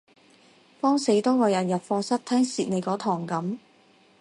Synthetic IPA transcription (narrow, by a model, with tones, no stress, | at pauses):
fɔː˥ŋse˨˥jt̪ɔː˥kɔː˨˧jɐ˨˩njɐ˨˩p̚fɔː˧sɐ˥t̚t̪ʰɛː˥ŋsiː˨t̚ne˨˧kɔː˨˥t̪ʰɔː˨˩ŋkɐ˨˥m